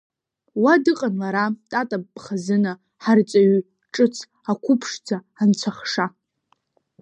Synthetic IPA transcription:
wadɨqʼanlaɾatʼatʼabːʼχazɨna | ħart͡sʼaɥ | ʈ͡ʂʼɨt͡sʰ | akʷʰʊpʰʂd͡zʰaːnt͡sʷʰaχʂa

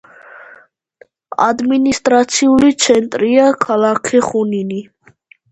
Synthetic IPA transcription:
a̰d̪minist̪ʼɾat̪sʰiulit̪sʰɛnt̪ʼɾiakʰalakʰɛχunini

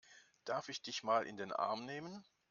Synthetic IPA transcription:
d̥aɐfɪçd̥ɪçmaːlʔɪ̰ndeːnʔa̰ɐmneːmən

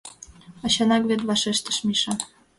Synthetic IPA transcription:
ɑɕɑnɑkβet̪βɑʃeʃt̪ə̥̆ʃmiʃɑ

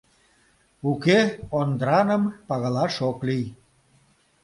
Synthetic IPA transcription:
ukeond̪ɾɑnəmpɑɣəlɑʃoklij

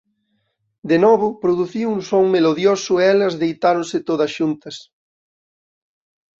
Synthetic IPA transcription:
d̪enɔβ̞ʊpɾoðuθiunsoŋmeloðjosʊeɛlɐzðejt̪aɾonsɪt̪oðɐsʃunt̪ɐs

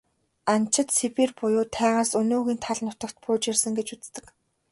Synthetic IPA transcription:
an̥t͡ɕʰɪ̆t̪sepiːrpʊjʊːt̪ʰæːʁaːsɵnoːɣʲiːnt̪ʰaɮnʊt̪ə̆kt̪̚pʊːt͡ɕirsə̆ŋɡet͡ɕut͡st̪ɘ̆k

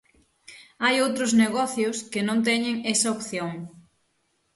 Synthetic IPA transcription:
ajowt̪ɾozneɣɔθjʊskɪnõnt̪̬ɛɲɪŋɛsɐopθjoŋ

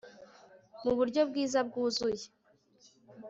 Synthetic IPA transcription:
muβuɾɟo̞bɡiːzabɡuːzuje

